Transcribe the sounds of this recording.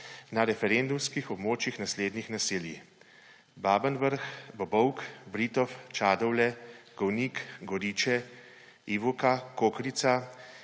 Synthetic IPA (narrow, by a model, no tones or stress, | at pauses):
naɾɛfɛɾend̪umskixɔbmoːt͡ʃjixnasleːd̪nixnasiːlji | baːbənʋəɾxbɔbɔwkbɾiːt̪ɔft͡ʃaːd̪ɔwlɛɡ̥ɔwniːkɡɔɾiːt͡ʃɛ | iʋukakokɾit̪sa